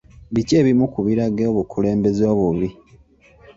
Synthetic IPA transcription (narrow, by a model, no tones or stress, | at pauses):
βiceːβimukuβiɾaɡeoβukʰule̞ːmbe̞zo̞ːβuβi